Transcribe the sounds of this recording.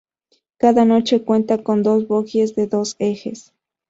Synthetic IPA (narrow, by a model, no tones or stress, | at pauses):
kaðanot͡ʃekwent̪akond̪osβokjezðeðosexes